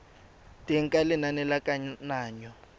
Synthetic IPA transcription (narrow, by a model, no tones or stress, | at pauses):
tʼɛŋ̩kʼalɪnanɛlakʼaɲnaːɲɔ